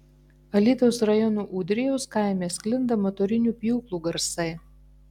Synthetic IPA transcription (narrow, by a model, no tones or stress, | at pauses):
ɐlʲiːd̪oʊsɾɐjɔnuːʔuːd̪ʲɾʲɪjoʊskɑˑɪmʲeːskʲlʲɪnd̪ɐmɔt̪ɔɾʲɪnʲuːpʲjuːklˠuːɡɐɾsɐɪ